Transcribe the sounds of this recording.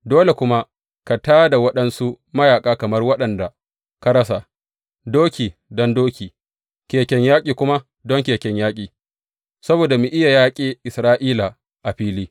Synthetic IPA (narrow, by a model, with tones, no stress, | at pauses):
doː˦le˨kʷʊ˦ma˦ | ka˨taː˦da˨wɐ˦ɗɐ˦nsu˦ | mɐ˦jaː˨kʼaː˦kɐ˨mɐ˦rwɐ˦ɗɐ˨nda˨ | ka˦ɾɐ˦sa˨ | doː˦kʲiː˨dɔ˦ndoː˦kʲiː˨ | kʲeː˨kʲɛ˦ɲjaː˦kʲʼiː˨kʷʊ˦ma˦ | dɔ˦ŋkʲeː˨kʲɛ˦ɲjaː˦kʲʼiː˨ | sɐ˦boː˨da˨mi˨ʔɪ˦ja˨jaː˦kʲʼeː˦ʔɪ˨sɾaː˦ʔiː˦la˨ | ʔa˨ɸiː˦liː˦